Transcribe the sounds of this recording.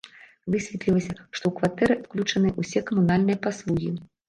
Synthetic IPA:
vɨsʲvʲɛt̪lʲilˠɐsʲɐʂt̪ɔwkvat̪ɛɾɨklʲut͡ʂɐnɨʔusʲɛkɐmun̪alʲnɨjɐpaslˠuɣʲi

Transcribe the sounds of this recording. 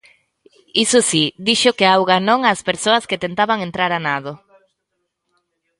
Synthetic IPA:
isʊsid̪iʃʊkeawɣanõŋaːspeɾsoɐsket̪ent̪aβaŋent̪ɾaɾanaðo

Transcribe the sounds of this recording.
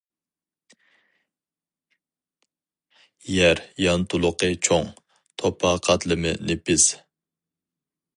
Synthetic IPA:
jɛɾjɑnt̪ʰulˠʊqʰət͡ʃʰoŋ | t̪ʰopʰɑqʰɑt̪lˠɨmɨ̰nepɪz̥

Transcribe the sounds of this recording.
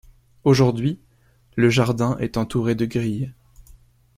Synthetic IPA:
oʒuʁd̪ɥi | ləʒaʁd̪ɛ̃ʔɛt̪ɑ̃t̪uʁed̪əɡʁij

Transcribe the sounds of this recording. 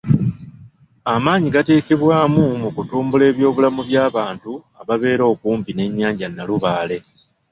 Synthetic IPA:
amaːɲiɡate̞ːke̞βwaːmumukutuːmbule̞ːβjo̞ːβulamuβjaːβaːntua̰βaβe̞ːɾo̞ːkuːmpine̞ɲːaːɲɟanːaluβaːle̞

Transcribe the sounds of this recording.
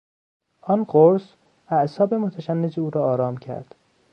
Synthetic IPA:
ʔɒnqoɾs | æʔsɒːbe̞mot̪ʰæʃænːed͡ʒeuːɾɒːɾɒːmcʰæ̰ɾd̪̥

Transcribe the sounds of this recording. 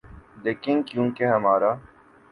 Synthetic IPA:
d̪eːkɪ̃nkjũːkeɦɐmaːɾaː

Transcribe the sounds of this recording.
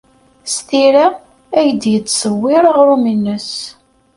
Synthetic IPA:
st̪iɾa | æjəd̪jət͡sːsˤəwːɪɾəʁɾuminːəs

